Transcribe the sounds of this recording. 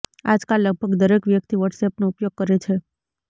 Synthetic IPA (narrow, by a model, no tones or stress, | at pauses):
ad͡ʒkalːəɡ̚bʱəɡd̪əɾekʋjək̚t̪iʋəʈsepnoupjoɡ̚kəɾet͡ʃʰe